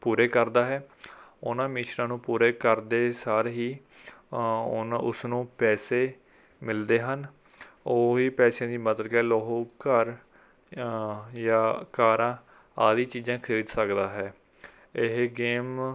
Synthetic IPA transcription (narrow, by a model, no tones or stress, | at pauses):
puːɾeːkəɾd̪aːɦɛːʊnãːmiːʃnãːnũːpuːɾeːkəɾd̪eːsaɾɦiː | nʊsnũːpɛːseː | mɪld̪eːɦən | oːɦiːpɛːsãːd̪iːmət̪lɡɛːloːɦoːkəɾ | jaːkaːɾãː | aːd̪iːt͡ʃiːzãːkʰeːd̪səkd̪aːɦɛː | ɪɦɡeːm